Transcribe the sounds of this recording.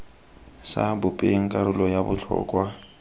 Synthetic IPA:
sa̰bʊpʼeŋ̩kʼaɾʊlɔjabʊt͡ɬʰɔ̰ːkʼwa

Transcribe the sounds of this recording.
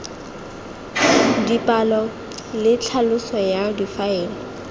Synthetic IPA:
dipʼalɔ | lɪt͡ɬʰalʊsɔjadifaeːlɔ

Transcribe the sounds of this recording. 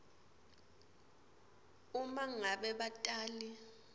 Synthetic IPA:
umaŋaɓɛɓatʼaːli

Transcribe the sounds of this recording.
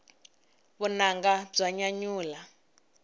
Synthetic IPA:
βunaŋɡab͡ʐaɲaɲuːla

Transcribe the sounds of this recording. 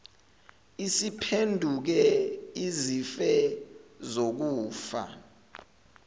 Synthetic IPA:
isipʰendʱuk̬ɛizifɛ | zok̬uːfa̰

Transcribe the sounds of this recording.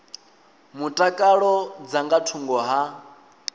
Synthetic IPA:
mutʼakʼaɺɔd͡zaŋɡatʰuŋɡɔɦa

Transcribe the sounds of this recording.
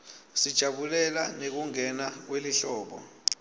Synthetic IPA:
sid̥ʒ̥ʱaɓulɛlanek̬uŋɛnak̬weliɬɔːɓɔ̰

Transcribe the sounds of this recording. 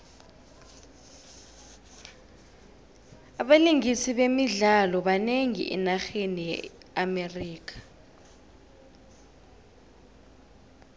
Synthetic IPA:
aɓaliŋisiɓemiɮalɔɓaneŋḭʔɛ̰naxenijɛ̰ | ameriːk̬ʰḁ

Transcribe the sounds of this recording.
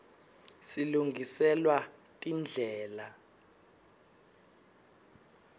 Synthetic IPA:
siluŋɡʱisɛlwatʼind͡ɮʱɛːla

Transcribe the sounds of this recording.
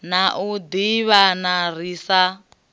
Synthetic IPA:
naʔud̪iβanar̤isa

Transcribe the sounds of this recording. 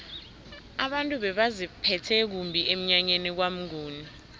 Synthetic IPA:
aɓantʼuɓɛɓazipʰɛtʰɛk̬umbʱiem̩ɲaɲenik̬wam̩ŋuːni

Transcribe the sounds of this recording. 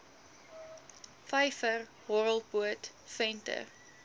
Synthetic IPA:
fɐjfər | hɔɾəlˠpuət | fɛntə̰r

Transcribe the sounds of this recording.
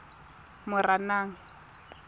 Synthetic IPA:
mʊranaːŋ̩

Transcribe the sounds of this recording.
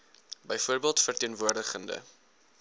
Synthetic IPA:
bəjfuərbiəlˠtfərtiənvuərdəχəndə̰

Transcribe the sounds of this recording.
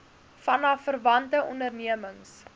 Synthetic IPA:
fɐnɐfərvɐntəʔɔndərniəməŋs

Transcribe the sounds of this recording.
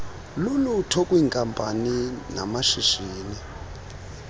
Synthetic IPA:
lulutʰɔkʼwiːŋkʼampʼanina̰maʃiʃiːni

